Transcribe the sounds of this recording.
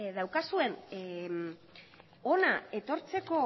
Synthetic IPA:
ðawkasue̞n | o̞nae̞t̪o̞ɾt͡se̞ko̞

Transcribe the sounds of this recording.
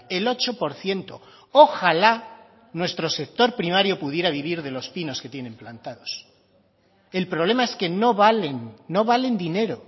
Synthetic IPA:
e̞lo̞t͡ʃo̞po̞ɾθje̞nt̪o̞̰ | oxala | nwe̞st̪ɾo̞se̞k̚t̪o̞ɾpɾimaɾjo̞puð̞je̞ɾaβiβ̞iɾðe̞lo̞spino̞ske̞t̪je̞nẽ̞mplant̪aðo̞s | e̞lpɾo̞β̞le̞mae̞ske̞no̞βalenːo̞β̞ale̞nd̪ine̞ɾo̞

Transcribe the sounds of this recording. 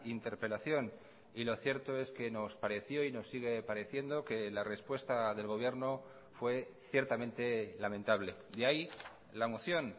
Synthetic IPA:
int̪e̞ɾpe̞laθjo̞n | ilo̞θje̞ɾt̪o̞e̞ske̞no̞spaɾe̞θjo̞ino̞sːiɣ̞e̞paɾe̞θje̞nd̪o̞ke̞lare̞spwe̞st̪aðe̞lɣo̞β̞je̞ɾno̞ | fwe̞θje̞ɾt̪amẽ̞nt̪e̞lament̪aβle̞d̪eai | lamoθjo̞n

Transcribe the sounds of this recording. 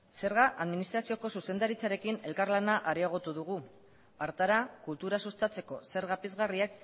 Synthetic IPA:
se̞ɾɣ̞aʔaðminist̪ɾasio̞ko̞suse̞nd̪aɾit͡saɾe̞kine̞lkaɾlanaʔaɾiaɣ̞o̞t̪uðuɣu | aɾt̪aɾakult̪uɾasust̪at͡se̞ko̞se̞ɾɣapezɣariak

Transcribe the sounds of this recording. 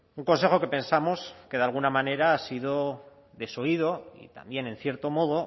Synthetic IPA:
uŋko̞nse̞xo̞ke̞pẽ̞nsamo̞ske̞ðalɣunamãne̞ɾaasiðo | ðe̞so̞iðo̞ḭt̪a̰mbje̞ne̞n̟θje̞ɾt̪o̞mo̞ðo̞

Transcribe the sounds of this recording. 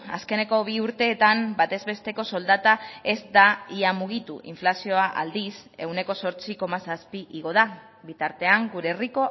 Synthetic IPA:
a̰ske̞ne̞ko̞β̞iuɾt̪e̞ːt̪ambat̪e̞zβe̞st̪e̞ko̞so̞ld̪at̪ae̞zd̪aiamuɣ̞it̪ṵʔḭɱflasio̞aʔa̰ld̪ise̞wne̞ko̞so̞ɾt͡siko̞masaspiʔiɣ̞o̞ð̞a | bit̪aɾt̪e̞aŋɡuɾe̞riko̞

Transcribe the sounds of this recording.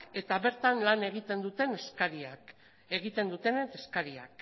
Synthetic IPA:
ke̞t̪aβe̞ɾt̪anlane̞ɣ̞it̪e̞nd̪ut̪e̞neskaɾiak | e̞ɣ̞it̪e̞nd̪ut̪e̞net̪eskaɾia̰k

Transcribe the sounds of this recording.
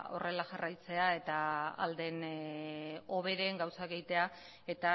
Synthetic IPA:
o̞̰re̞laʝarajt͡se̞ae̞t̪aa̰ld̪e̞n | o̞βe̞ɾe̞ŋɡawsakeɣit̪e̞a | e̞t̪a

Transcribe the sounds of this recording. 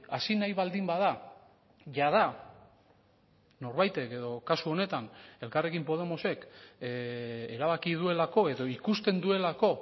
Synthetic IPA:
asinajβald̪imbaða | ʝaða | no̞ɾβajt̪e̞ke̞ðo̞kasuo̞ne̞t̪ane̞lkare̞kimpo̞ð̞e̞mo̞se̞k | e̞ɾaβ̞akið̞ue̞lako̞e̞ðo̞ikust̪e̞nd̪ue̞lako̞

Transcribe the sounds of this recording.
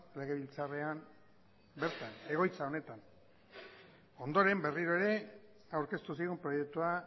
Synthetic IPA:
le̞ɣeβilt͡saream | be̞ɾt̪ane̞ɣ̞o̞jt͡sao̞ne̞t̪an | o̞nd̪o̞ɾe̞mbe̞riɾo̞e̞ɾe̞ | awɾke̞st̪usiɣumpɾo̞je̞k̚t̪ua

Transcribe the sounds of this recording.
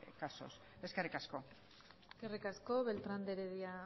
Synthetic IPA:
kaso̞̰s | e̞skerikasko̞ | eeskerikasko̞βe̞lt̪ɾand̪eɾeðia

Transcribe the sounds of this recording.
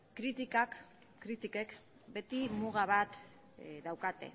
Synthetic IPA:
kɾit̪ikak | kːɾit̪ike̞k | be̞t̪imuɣaβat̪ | d̪awkat̪e̞̰

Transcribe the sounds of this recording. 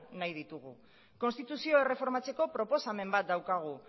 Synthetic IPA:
najð̞it̪uɣ̞u | ko̞nst̪it̪usio̞e̞re̞fo̞ɾmat͡se̞ko̞pɾo̞po̞same̞mbat̪̚d̪awkaɣ̞u

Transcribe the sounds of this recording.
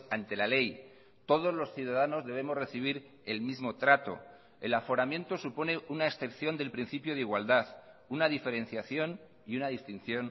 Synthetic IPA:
ant̪e̞lale̞j | t̪o̞ð̞o̞zlo̞sθjuðaðano̞zðe̞β̞e̞mo̞zre̞θiβ̞iɾ | e̞lmizmo̞t̪ɾat̪o̞̰ | e̞̰lafo̞ɾamjẽ̞nt̪o̞supo̞ne̞unaeksθe̞pθjond̪e̞lpɾin̟θipjoð̞iɣwald̪að | unaðife̞ɾẽ̞n̟θjaθjo̞n | iunaðist̪in̟θjo̞n

